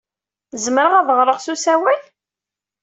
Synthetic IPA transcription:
zəməɾəʁaðʁɾˤəʁsusæwæn

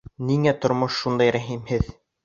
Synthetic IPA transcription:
niŋæt̪ŏɾmoʃːund̪ɑjɾæɦimhɘð

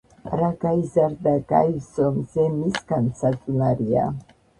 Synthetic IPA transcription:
ɾaɡajzaɾd̪aɡa̰jvzɔmzɛmiskansʰat͡sʼunaɾia̰

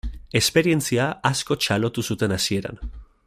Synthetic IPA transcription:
e̞spe̞ɾie̞nt͡siaasko̞t͡ʃalo̞t̪usut̪e̞nasie̞ɾa̰n

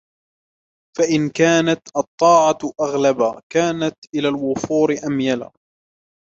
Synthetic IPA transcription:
faʔɪnkaːnat̪ʔɑt̪ˤːɑːʕɑʔaɣlabakaːnat̪ʔɪlaːlwʊfuːɾɪʔamjala̰ː

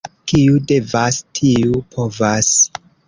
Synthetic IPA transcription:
kiude̞vastʰiupʰo̞vas

